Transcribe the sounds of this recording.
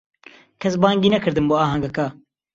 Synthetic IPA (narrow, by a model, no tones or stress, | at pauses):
kʰɐsbaːŋɡiːnɐkʰɨɾd̪ɨnboːɑːɦɐŋɡɐka